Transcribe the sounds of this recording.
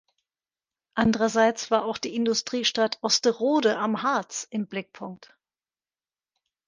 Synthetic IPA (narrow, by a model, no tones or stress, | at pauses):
ʔandəʁɐzaɪt͡sv̥aːɐʔaʊxd̥iːɪndʊstʁ̥iːʃtatʰʔɔstəʁoːdəʔamhaɐt͡sʔɪmblɪk̚pʰʊŋk̚t